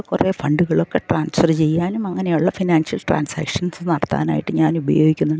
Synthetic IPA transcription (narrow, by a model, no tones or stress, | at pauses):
kːureːfɐɳɖuɣɐɭokːe̞ʈraːnsfɐrt͡ɕe̞jːaːnumɐŋːɐnejuɭːɐfinaːnsjɐlʈra̰ːnsa̰ːkʂɐnsɨnɐɽɐt̪ːa̰ːna̰ːjiʈːɨɲaːnubɐjoːɡikʲːunːuɳɖ